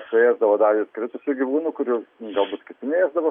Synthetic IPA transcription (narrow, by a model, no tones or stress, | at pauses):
sʊeːzd̪ɐʋoːd̪ɐɪskɾʲɪt̪ʊsʲʊɡʲiʋuːnukʊɾʲʊɡɐlˠbuːt̪kʲɪt̪ʲɪnʲeeːzd̪ɐʋoː